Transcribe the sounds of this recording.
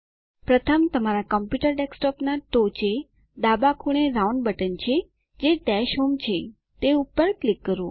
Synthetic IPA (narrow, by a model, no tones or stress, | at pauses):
pɾət̪ʰəmt̪əmaɾakəmpjuʈəɾɖeksʈɔpnaʈot͡ʃe | d̪abakʰuɳ̃eɾauɳɖbəʈənt͡ʃʰe | d͡ʒeɖɛʃɦomt͡ʃʰe | t̪eupːəɾklikːəɾõ